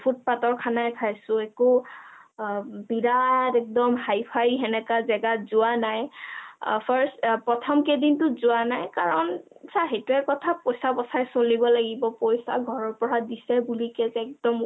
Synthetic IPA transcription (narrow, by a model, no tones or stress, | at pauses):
pʰut̚patɔɹkʰanajpʰajsʊɛkʊ | biɹatɛk̚dɔmɦajpʰajɦɛnɛkazɛɡazʊanaj | pʰaɹstpɹɔtʰɔmkedintʊzʊanajkaɹɔn | saɦetuɛkɔtʰapojsabɔsajsolibɔlaɡibɔpɔjsa̰ɡʱɔɹɔɹpɔɹadisɛbulikɛzɛɛk̚dɔm